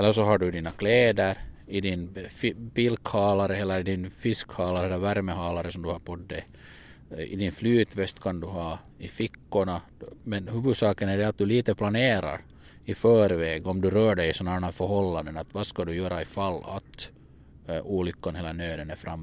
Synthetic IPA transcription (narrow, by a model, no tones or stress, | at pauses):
ɛlːəʂɔɦaɖɵd̪iːnakʰleːd̪əɾɪd̪ɪnfbilkhɑːlaɾəɛlːəɾɪd̪ɪnfɪskhɑːlaɾəɛlːɾvæɾməɦɑːlaɾəsɔmd̪ɵhaɾpʰɔt̪d̪ɛ | ɪ̰d̪ɪnflyːt̪vɛst̪kʰand̪ʉɦɑː | ɪfɪkːʊɳa | mɛnhʉːvɵd̪sɑːkənæɖɛat̪̚d̪ɵliːt̪əpʰlaneːɾa̰ɾ | ɪfœːɾveːɡɔmd̪ʉɾœːɖɛjsɔnadɛnæːɾfœɾɦɔlːand̪ənat̪vaskad̪ʉjœːɾaɪfalːa̰t̪ | uːlʏkːanheːlanøːd̪ənæɾfɾamː